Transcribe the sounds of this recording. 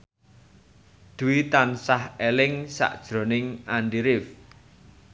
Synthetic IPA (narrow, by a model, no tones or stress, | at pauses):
d̪̥uwit̪ansahelɪŋsa̰ʔd̥ʒ̥ɾo̤nɪŋanɖiɾɪf